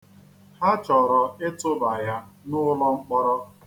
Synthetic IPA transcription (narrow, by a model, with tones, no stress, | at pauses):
ha˦t͡ʃɔ˨ɾɔ˨ɪ˦tʊ˦ba˨ja˦nʊ˦lɔ˦ŋ͡m̩˦k͡pɔ˦ɾɔ˦